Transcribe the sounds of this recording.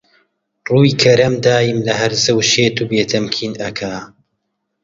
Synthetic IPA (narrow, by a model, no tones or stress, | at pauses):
ruːiːkʰɐɾɐmd̪aːjimlɐɦɐɾzɐwʃeːt̪uːbeːt̪ʰɐmkʰiːnɐkʰa